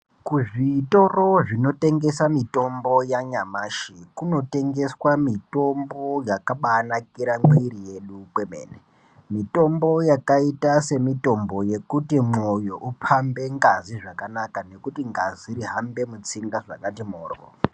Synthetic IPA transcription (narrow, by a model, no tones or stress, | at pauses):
kuʐito̞ro̞ʐino̞te̞ŋɡe̞samito̞mbojaɲamaːʃikuno̞te̞ŋɡe̞swamito̞mbo̞jakaɓaːnakiɾaŋwiɾije̞ɗupwemḛːne | mito̞mbo̞jakaitase̞mito̞mbo̞je̞kutimo̞jo̞ʔupʰambe̞ŋɡaziʐakanakane̞kutiŋɡaziɾiɦambe̞mut͡siŋɡaʐa̰katimoːro̰